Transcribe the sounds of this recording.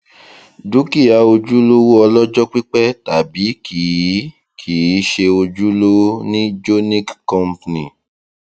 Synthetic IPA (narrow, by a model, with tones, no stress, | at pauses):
du˨˦ki˦˨a˨˧o˧d͡ʒu˦lo˦wo˦ɔ˧lɔ˦d͡ʒɔ˦k͡pi˦k͡pɛ˦ta˨bi˨˦ki˨˦ | kʰi˨˦ʃe˧o˧d͡ʒu˦lo˦nĩ˦d͡ʒo˦nĩ˦kkɔ̃˦mpnĩ˨